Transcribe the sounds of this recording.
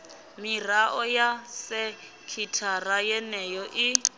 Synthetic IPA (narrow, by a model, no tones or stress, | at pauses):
miraʔɔjasɛ | kʰitʰarajɛnɛjɔʔi